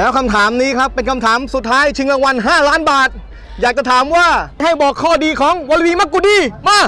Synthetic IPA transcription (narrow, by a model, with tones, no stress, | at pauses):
lɛː˦˥wkʰa˧mt̪ʰaː˩˦mniː˦˥kʰɾa˦˥pːe˧nkʰa˧mt̪ʰaː˩˦msu˨˩t̪ʰːaː˦˥jt͡ɕʰɯ˧ŋɾa˧ŋwa˧nɦaː˥˩laː˦˥nbaː˨˩t̪̚ | jaː˨˩k̚t͡ɕa˨˧˩t̪ʰaː˩˦mwaː˥˩ɦa˥˩jbɔː˨˩kʰːɔː˥˩diː˧kʰɔː˩˦ŋwaː˧lwiː˧ma˦˥kːuː˧diː˧˩maː˥˩